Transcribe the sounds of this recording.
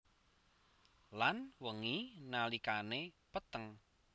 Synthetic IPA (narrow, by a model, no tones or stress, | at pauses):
lanwəŋinalikanepət̪əŋ